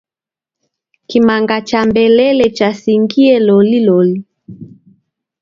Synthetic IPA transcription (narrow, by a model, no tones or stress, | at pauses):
kimaŋɡat͡ʃambɛlɛlɛt͡ʃasiŋɡiɛlɔlilɔli